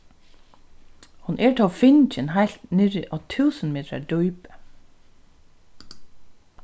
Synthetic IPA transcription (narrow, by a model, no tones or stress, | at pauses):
hʊnʔɛɹt̪ʰɔːfɪnt͡ʃɪnɦajl̥t̪nɪɾɪʔɔːt̪ʰʉːsənmeːt̪ɾa̰ɖujpə̥